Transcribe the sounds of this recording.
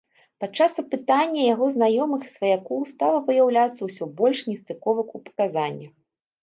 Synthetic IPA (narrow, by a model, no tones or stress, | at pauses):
pat̪t͡ʂːasɐpɨt̪anʲːɐjaɣɔznajɔmɨxsvɐjakɔwst̪alˠɐvɨjawlʲat̪sːɐwsʲɔbɔlʲʂnʲist̪ɨkɔvɨkupɐ̥kazanʲːɐx